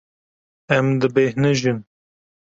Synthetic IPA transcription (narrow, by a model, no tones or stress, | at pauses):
ɛmd̪ɨbeːhnɨʒɨn